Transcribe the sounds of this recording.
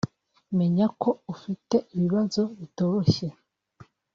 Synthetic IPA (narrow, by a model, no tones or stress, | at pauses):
me̞ɲako̞ufite̞iβiβazo̞βito̞ɾoçe̞